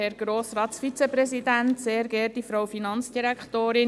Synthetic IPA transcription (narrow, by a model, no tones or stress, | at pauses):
ɛɾɡ̥ɾoːsɾɑːtsfit͡sɛpɾɛsidænt̪seːɾɡɛːɾt̚difɾawfinɑnt͡sd̥iɾækχtoːɾɪ